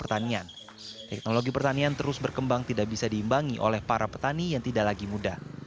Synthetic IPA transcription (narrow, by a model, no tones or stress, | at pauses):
pərt̪anian | t̪ɛk̚noloɡipərt̪aniant̪əɾʊsbərkəmbaŋt̪idaʔbisadihimbaŋiʔo̰lɛhpaɾapə̥t̪anijaŋt̪idaʔlaɡimudah